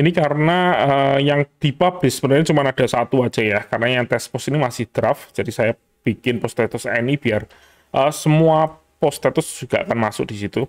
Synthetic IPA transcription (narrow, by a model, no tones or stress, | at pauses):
inikaɾənaəjaŋd̪̥i̤pab̥lɪsəbənərɲat͡ʃumanad̥a̤sat̪uḁd͡ʒ̥ajakaɾənajaŋt̪ɛspɔsinimasɪhd̪̥ɾafd͡ʒ̥adisaja | b̥ikɪnpɔst̪ɛt̪ʊsanib̥iar | ʔəsəmua | pɔst̪ɛt̪ʊsd͡ʒ̥ʒ̥uɡ̥aʔakanmasʊ̰k̚d̥isit̪u